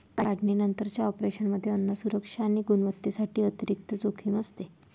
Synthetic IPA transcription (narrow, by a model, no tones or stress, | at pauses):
kaaɽʱɳinənt̪əɾt͡ɕjaɔpɾeɕənməd̪ʱːjeənːəsuɾəkʂaːɽ̃iɡunʋət̪ːesaʈiːət̪iɾik̚t̪əd͡zokʰiːməst̪e